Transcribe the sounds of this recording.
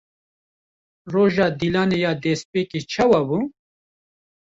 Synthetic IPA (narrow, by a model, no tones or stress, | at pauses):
ɾoːʒaːd̪ilaːnejaːd̪eːspekit͡ʃʰɐwabu